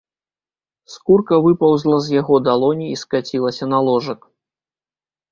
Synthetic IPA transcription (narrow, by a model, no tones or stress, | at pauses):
skurkɐvɨpɐwzlˠɐzʲjaɣɔd̪alˠɔnʲiːskat͡sʲilˠɐsʲɐnalˠɔʐɐk